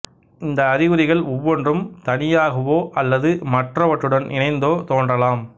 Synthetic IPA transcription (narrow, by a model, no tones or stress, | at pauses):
ɪnd̪ɐːɾɪɣɯɾɪɣɐɭɔʋːɔndrɯmt̪ɐnɪjaːɣɐʋoːʔɐlːɐðɯmɐʈrɐʋɐʈːɯɽɐnɪ̰nɐɪnd̪oːt̪oːndrɐlaːm